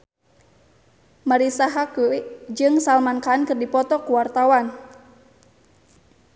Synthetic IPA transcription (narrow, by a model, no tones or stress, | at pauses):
maɾisaɦakuid͡ʒɨŋsalmankankɨrdipɔt̪ɔkuwart̪awan